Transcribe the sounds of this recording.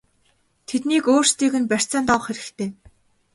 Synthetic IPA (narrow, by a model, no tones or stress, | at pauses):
t̪ʰet̪niːkoːr̥st̪iːɣɘ̆npær̥t͡saːnt̪ɔw̆χxeɾɘ̆kt̪ʰeː